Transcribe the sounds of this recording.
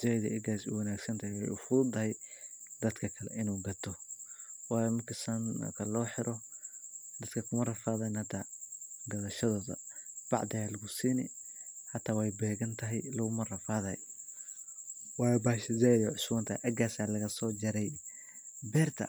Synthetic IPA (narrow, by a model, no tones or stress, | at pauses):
z̥aðɐ̰ʔɛɡaːsṵwɐnaːɡsɐnt̪ʰɐhɛjwɛ̰jʊfʊðʊt̪ʰɐɦɛj | d̪ɐd̪kʰɐkʰɐlɛ̰ʔɪnuːɡɐt̪ʰɔ | wɑːjɔmɐrkʰɐsɐn̰ːkʰɐlɔːħɪɾɔ | d̪ɐd̪kʰɐkʰʊmɐrɐfaːðɐnhɐt̪ʰaːɡɐðɐʃɐðɔːðɐ̰ | b̥ɑ̰ʕd̪ɐjalɐɣʊsiːnɛ̰ħɐt̪ʰaːwɛjbɛːɣɐnt̪ʰɐɦɛ̰jlɐɣʊmɐrɐfaːðɐhɛ̰j | wɑːjbaːʃɐzajðʕʊswɐnt̪ʰɐhɛ̰ʔɐɡaːsaːlɐɣɐsɔːd͡ʒɐɾɛj | bɛːrt̪ʰɐ̰